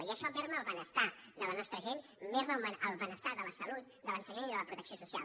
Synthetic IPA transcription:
iəʃɔβɛɾməlˠβənəst̪ad̪ələnɔst̪ɾəʒenmeɾβəəəlˠβənəst̪aðələsəlut̪̚ | d̪ələnsəɲeniðələpɾut̪əksiosusia̰lˠ

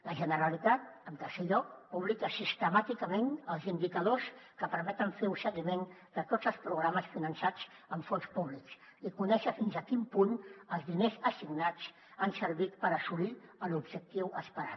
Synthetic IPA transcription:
ləʒənəɾəlit̪at̪̚əmk̪asɛʎɔk̚puβlikəsist̪əmat̪ikəmenəlˠzind̪ikəð̞oskəpəɾmɛt̪əɱfeɾusəɣimen | d̪ət̪ozəlˠspɾuɣɾaməsfinənsad͡zəmfonspuβliksikunɛʃəfinzəkimpunəlˠzðinezəsiɡnat͡s | ansəɾβit̪pəɾəsuliəlubʒək̚t̪iwəspəɾa̰t̪

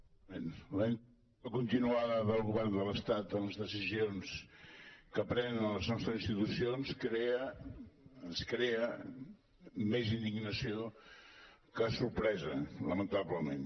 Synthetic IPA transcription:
enləen | əkunt̪inuaðəðəlˠɣuβɛrnd̪ələst̪at̪ənləzðəsizions | kəpɾɛnənələznɔst̪ɾəzinst̪it̪usionskɾeə | ənskɾeə | mezind̪iɡnəsio | kəsuɾpɾɛzələmənt̪aβləmḛn

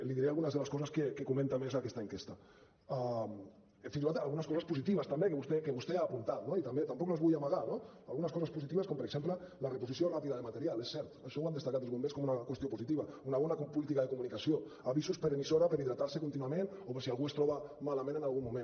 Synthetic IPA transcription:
liðiɾealɣunazðelaskɔzaskekekumẽnt̪amezakɛst̪aeŋkest̪a | a | fins̬iat̪alɣunaskɔzaspusit̪iβast̪ambekeβust̪ekeβust̪eaːpunt̪at̪noit̪ambet̪ampɔklazβujamaɣano | alɣunaskɔsaspusit̪iβaskɔmpəɾeksemplə | larepusisjorapiðaðemat̪eɾialesːɛɾt̪aʃɔwand̪est̪akat̪elzumbeskomunakwest̪iopuzit̪iβaunaβɔnakpulit̪ikaðekumunikasio | aβizuspəɾemisoɾapeɾiðɾat̪aɾsekunt̪inuamen | opeɾsialɣuest̪ɾɔβamalamẽnenalɣumːumẽn

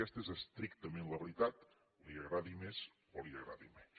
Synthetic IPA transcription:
ɛst̪əezəst̪ɾikt̪əmẽnləβəɾit̪at̪ | liəɣɾaðimez | oliəɣɾa̰ðḭme

